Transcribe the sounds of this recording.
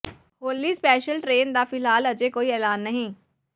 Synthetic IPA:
hoːliːspɛːʃəlʈɾeːnd̪aːfɪlɦaːləd͡ʒeːkoːiːɛːlaːnːəɦĩː

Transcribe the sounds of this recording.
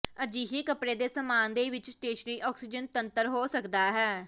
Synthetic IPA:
əd͡ʒiːɦiːkəpɽeːd̪eːsəmaːnd̪eːʋɪt͡ʃsʈeːʃəniːʔɔːksiːd͡ʒənt̪ənt̪əɾɦoːsəkd̪aːɦɛː

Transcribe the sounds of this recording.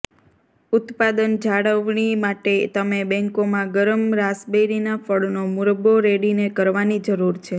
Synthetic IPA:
ʊt̪pad̪ənd͡ʒaɽəʋɳimaʈet̪əmebɛ̃ŋkomãɡəɾəmɾasbejɾinafəɭnomuɾəboɾeɽinekəɾʋanid͡ʒəɾuɾt͡ʃʰe

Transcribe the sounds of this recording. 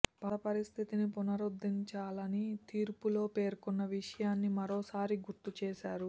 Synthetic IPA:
pɐɐpɐɾist̪ʰit̪inipunɐɾud̪iɲt͡ʃaːlɐnit̪iːɾpulo̞ːpe̞ːɾkunːɐʋiʂɐjaːnːimɐɾo̞ːsaːɾiɡuɾt̪ut͡ʃeːʃaːɾu

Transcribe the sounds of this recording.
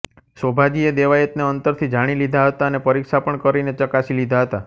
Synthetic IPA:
sobʱad͡ʒied̪eʋaet̪neənt̪əɾt̪ʰid͡ʒaɽ̃ilid̪ʱaɦət̪aənepəɾikʃapəɳkəɾinet͡ʃəkasilid̪ʱaɦət̪a

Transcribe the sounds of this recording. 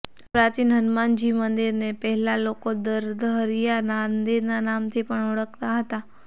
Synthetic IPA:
pɾat͡ʃinɦənmand͡ʒimənd̪iɾnepəɦɛlalokod̪əɾd̪əɦəɾjanand̪iɾnanamt̪ʰipəɳəɭəkt̪aɦət̪a

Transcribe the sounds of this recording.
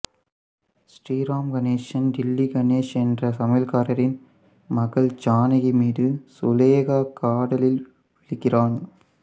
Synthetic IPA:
sʈiːɾaːmɡɐneːʂɐnɖɪlːiɡɐneːʂɛndrɐsɐmɐlkaːɾɐɾɪn | mɐɣɐɭt͡ʃaːnɐɣɐmiːðɯsʊleːɣaːkaːɽɐlɪl | ʋɪɭɪkːɪraːn

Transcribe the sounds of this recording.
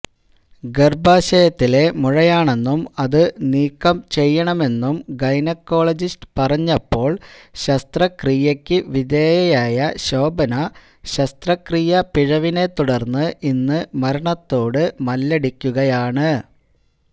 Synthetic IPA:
ɡerbaːɕɐjɐt̪ːile̞muɻɐjaːɳe̞nːumɐðɨniːkːɐmt͡ɕe̞jːɐɳɐme̞nːumɡɐjnɐkːo̞ːɭɐd͡ʑisʈɨ̥pɐrɐɲːɐpːo̞ːɭɕɐst̪rɐkrijekʲːɨʋid̪eːjɐjaːjɐɕo̞ːbɐnɐ | ɕɐst̪rɐkriːjɐpiɻɐʋine̞t̪uɽɐrnːɨʔinːɨmɐɾɐɳɐt̪ːo̞ːɽɨmɐlːeɽikʲːuɣɐjaːɳɨ

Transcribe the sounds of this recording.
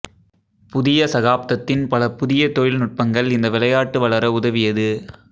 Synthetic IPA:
pʊðɪjɐsɐɣaːp̚t̪ɐt̪ːɪnpɐlɐpʊðɪjɐt̪ɔjɪlnʊʈ̚pɐŋɡɐɭɪnd̪ɐʋɪlɐjaːʈːɯʋɐɭɐɾɐʊðɐʋɪjɐðɯ

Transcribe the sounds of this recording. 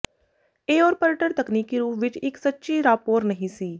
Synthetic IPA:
eːɔːɾpəɾʈəɾt̪əkniːkːiɾuːpʋɪt͡ʃɪksətːʃiɾaːpoːɾnəɦĩsiː

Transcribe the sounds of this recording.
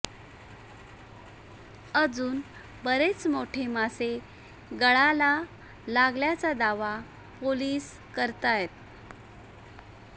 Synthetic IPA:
əd͡zuːn | bəɾet͡smoʈʰemase | ɡəɭala | laɡljat͡sad̪aʋa | poliːs | kəɾt̪ajet̪̚

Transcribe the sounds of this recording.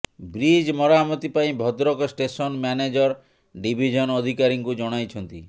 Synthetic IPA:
bɾid͡ʒmɔɾamɔt̪ipaĩbʱɔd̪ɾɔkɔsʈesɔnmjaned͡ʒɔɾ | ɖibʱid͡ʒʱɔnɔd̪ʱikaɾiŋkud͡ʒɔɽ̃ajt͡ʃʰɔnt̪i

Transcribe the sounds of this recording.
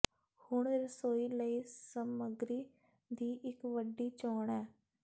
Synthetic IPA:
hʊɳɾəsoːiːləiːsəməɡɾiː | d̪iːʔɪkʋəɖːiːt͡ʃɔːɳɛː

